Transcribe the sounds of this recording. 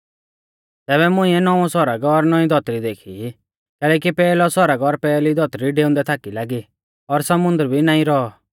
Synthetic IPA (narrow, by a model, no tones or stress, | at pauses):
t̪ɛːβɛmʊ̃ĩɛnɔʋɔ̃sɔɾaɡɔɾnɔĩd̪ʱɔt̪ɾid̪eːkʰi | kɛːlɛːk̬ipɛːlɔsɔɾaɡɔɾpɛːlid̪ʱɔt̪ɾiɖeːʊ̃nd̪ɛt̪ʰaːkilaːɡi | ɔɾsɐmʊ̃nd̪əɾbʱinaːĩɾɔɔ